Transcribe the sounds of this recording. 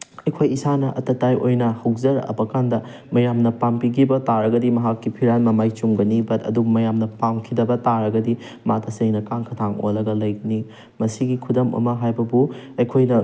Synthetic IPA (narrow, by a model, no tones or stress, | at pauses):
ɐjkʰojisanɐʔɐ̰tɐtajʔojnɐhɐwzɐɾɐ̰bɐkandɐ | mɐjamnɐpampiɡʰibɐtaɾɐɡɐdimɐɦakːipʰiɾanmɐmajt͡ʃuŋɡɐnibɐtʰɐ̰dumɐjamnɐpaŋkʰidɐbɐtaɾɐɡɐdi | matʰɐseŋnɐkaŋkʰɐtʰaŋo̰lɐɡɐlɐjɡɐni | mɐsiɡikʰudɐmɐ̰mɐɦajbɐbuɐjkʰojnɐ